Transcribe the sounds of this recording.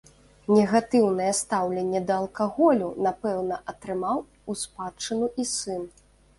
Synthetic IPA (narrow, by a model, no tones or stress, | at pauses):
nʲɛɣat̪ɨwn̪ɐjɛst̪awlʲɛnʲːɛd̪ɐːlˠkaɣɔlʲunapɛwnɐʔɐt̪ɾɨmaw | uspat͡ʂɨnuʔisɨn